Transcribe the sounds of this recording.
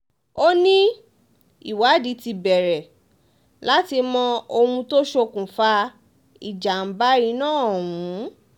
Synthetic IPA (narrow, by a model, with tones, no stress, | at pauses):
o˦nĩ˦ | ḭ˦˨wa˨˦di˨˧˦ti˧bɛ˨ɾɛ˨ | la˦ti˧mɔ̃˧o˧hũ˧to˦ʃo˧kũ˨fa˧ | i˨d͡ʒa˨n̩˨˦ba˦i˧˦nãː˦˨wũ˨˦